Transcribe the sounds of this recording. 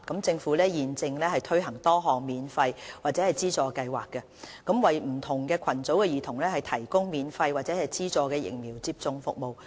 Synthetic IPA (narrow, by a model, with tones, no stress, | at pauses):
kɐ˨˥mt͡sɪ˧ŋfu˨˥lɛː˥jiː˨nt͡sɪ˧ŋlɛː˥hɐ˨˩jt̪ʰɵ˥ɥɦɐ˨˩ŋt̪ɔː˥ɦɔː˨k̚miː˨˧nfɐ˧jwaː˨k̚t͡sɛː˨˥hɐ˨jt͡siː˥t͡sɔː˧kɐ˧jwaː˨˩kːɛ˧ | kɐ˨˥mwɐ˨jm̩˨˩t̪ʰʊ˨˩ŋkɛː˧kʰɐ˨˩nt͡so˨˥wkɛː˧jiː˨t̪ʰʊ˨˩ŋlɛː˥hɐ˨jt̪ʰɐ˨˩jkʊ˥ŋmiː˨˧nfɐ˧jwaː˨k̚t͡sɛː˨˥hɐ˨jt͡siː˥t͡sɔː˧kɛː˧jɪ̰˨˩ŋ̚miː˨˩wt͡siː˧p̚t͡sʊ˧ŋfʊ̰˨k̚mo˨w